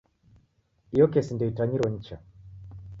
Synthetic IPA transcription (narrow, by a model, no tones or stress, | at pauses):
ijɔkɛsindɛitaɲiɾɔɲ̩t͡ʃa